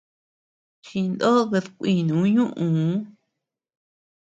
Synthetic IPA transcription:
t͡ʃi˧nd̪o˦ɣe˧ðkʷi˧˨nũ˨˦ɲũ˦ʔũ˨˦

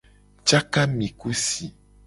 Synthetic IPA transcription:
t͡ʃa˦ka˦mĩ˨ku˦si˨

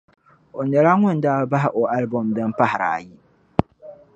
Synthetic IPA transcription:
o˨nɛ˨ɾa˦ŋʊ˦ndaː˦ba˦ɦɪ˦ʔo˨ʔa˦lbɔ˨mdɨ˦mpa˦hɪ˨ɾa̰˨ji˦

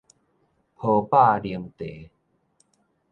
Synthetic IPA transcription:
pʰo˧˩pa˥˧˨li˨˩əmt̪e˨˦

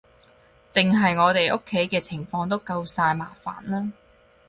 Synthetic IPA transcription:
t͡sɪ˨ŋɦɐ˨jŋɔː˨˧t̪e˨jʔʊ˥kʰːe˨˥jkɛː˧t͡sʰɪ˨˩ŋfɔː˧ŋt̪o˥wkɐ˧wsaː˧jmaː˨˩fa̰ː˨˩nlaː˥

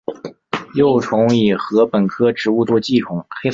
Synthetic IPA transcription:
jo˥˩ʊʈ͡ʂ̪ʰʊ˧˥ŋi˨˩xɤ˧˥pə˨˩nkʰɤ˥ʈ͡ʂɻ̩˧˥u˥˧t̪wɔ˥˧t͡ɕi˥˩ʈ͡ʂʰʊ˨˩˦ŋxe˥

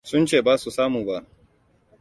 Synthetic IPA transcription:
sʊ˦nt͡ʃeː˦˨baː˦su˨saː˦muː˨ba˦˨ʔ

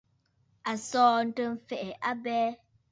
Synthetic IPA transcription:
a˨sɔː˦n̩˦tə˦m̩˦fɛ˨ʔɪ˨ʔa˦bɛː˦

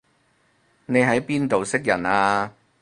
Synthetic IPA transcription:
ne˨˧jɦɐ˨˥jpiː˥nt̪o˨wsɪ˥k̚jɐ˨˩naː˧

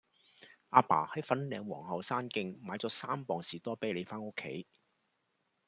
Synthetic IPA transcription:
ʔaː˧pa̰ː˨˩hɐ˨˥jfɐ˨˥nlɛː˨˧ŋwɔː˨˩ŋhɐ˨wsaː˥nkɪ˧ŋmaː˨˥jt͡sɔː˨˥saː˥mpɔː˨ŋsiː˨˩t̪ɔː˥pe˨˥jle˨˧jfaː˥no˥kʰːḛ˨˥j

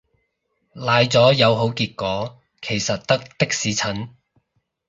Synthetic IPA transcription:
laː˨jt͡sɔː˨˥jɐ˨˧wɦo˨˥wkiː˧t̚kʷɔː˨˥ | kʰe˨˩jsɐ˨t̚t̪ɐ˥k̚t̪ɪ˥k̚siː˨˥t͡sʰɐ˨˥n

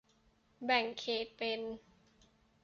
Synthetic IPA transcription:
bɛ˨˩ŋkʰeː˨˩t̪̚pe˧n

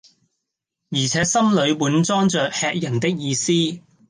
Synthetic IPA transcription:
jiː˨˩t͡sʰɛː˨˥sɐ˥mlɵ˨˧ɥmuː˨˥nt͡sɔː˥ŋt͡ʃœː˨k̚hɛː˧k̚jɐ˨˩nt̪ɪ˥k̚jiː˨˧siː˥

